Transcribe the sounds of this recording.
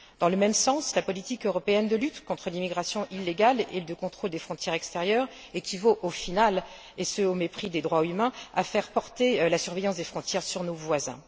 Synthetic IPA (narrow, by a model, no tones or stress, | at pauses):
d̪̥ɑ̃ləmɛmsɑ̃slapɔlit̪ikøʁɔpeɛnd̪əlyt̪kɔ̃t̪χəlimiɡʁasjɔ̃ʔilːeɡalḛd̪əkɔ̃t̪χold̪efχɔ̃t̪jɛʁɛkst̪eʁjœʁ | ekʲʰivoʔofinal | esəomepχid̪ed̪ʁwaymɛ̃afɛʁpɔʁt̪elasyʁvejɑ̃sd̪efχɔ̃t̪jɛʁsyʁnovwazɛ̰̃